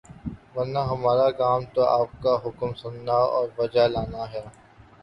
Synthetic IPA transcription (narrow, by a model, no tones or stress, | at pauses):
ʋɐɾnaɦɐmaːɾakaːmt̪oaːp̚kaɦʊkmsʊnːaɔ̰ːɾʋɐd͡ʒalaːnaɦɛː